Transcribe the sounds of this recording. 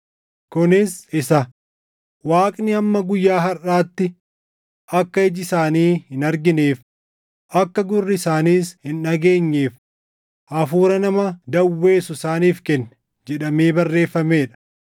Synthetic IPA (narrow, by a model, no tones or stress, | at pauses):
kʊnɪsɪsɐ | waːkʼnɪɐmːɐɡʊjːaːɦɐraːt̪ːɪ | ʔɐkːɐɪd͡ʒɪsaːniːhɪnɐɾɡɪneːf | ʔɐkːɐɡʊrːɪɪsaːniːshɪnːɐɡe̞ːɲːeːf | ʔɐfuːɾɐnɐmɐd̪ɐwːe̞ːsʊɪsaːniːfkɛnːɛ | d͡ʒɛᶑɐme̞ːbɐrːe̞ːfːɐme̞ːᶑɐ̥